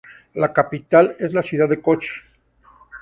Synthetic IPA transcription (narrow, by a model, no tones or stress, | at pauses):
lakapit̪ale̞zlasjuðaðekot͡ʃe̥